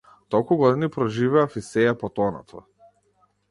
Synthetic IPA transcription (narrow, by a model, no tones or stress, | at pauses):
t̪ɔlˠkuɡɔd̪inipɾɔʒivɛafisɛjapɔt̪ɔnɔ̰t̪ʰɔ̰